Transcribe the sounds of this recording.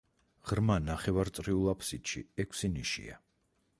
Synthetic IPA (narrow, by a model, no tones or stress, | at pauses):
ʁ̥ɾmanaχɛvaɾt̪sʼɾiulˠapʰsit̪ʃiɛkʰsiniʃḭa̰